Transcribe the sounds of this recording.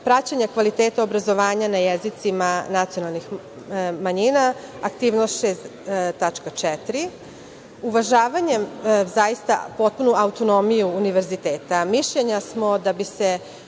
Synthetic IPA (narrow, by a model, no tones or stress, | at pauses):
pɾat͡ɕaɲakʋalit̪eːt̪aobɾazo̞ʋaːɲanajezit̪simanat̪sionalˠnix | maɲinaː | kt̪iːʋnoʃest̪t̪ːat͡ʃkat͡ʂɛt̪ɾi | uʋaʒaːʋaɲezajist̪a̰po̞t̪̚punuaut̪o̞no̞mijuːniʋeɾzit̪eːt̪amiʃʎeɲasmo̞d̪abise